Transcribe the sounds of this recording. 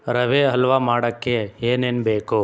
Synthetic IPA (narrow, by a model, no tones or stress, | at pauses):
ɾɐʋeɦɐlʋamaːɽɐkːeeːneːnbeːku